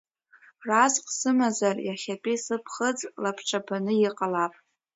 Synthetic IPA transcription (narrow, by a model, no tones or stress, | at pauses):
razqʼsɨmazarjaχʲapʲʼisɨpʰχəd͡zʼlapʰʈ͡ʂʰʼabanɨjɪqʼalapʼ